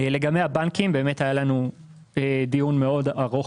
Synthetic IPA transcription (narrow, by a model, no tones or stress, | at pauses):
ele̞ɡamejabankimbe̞ːmetajalanu | ed̪ijunmeo̞daʁoχ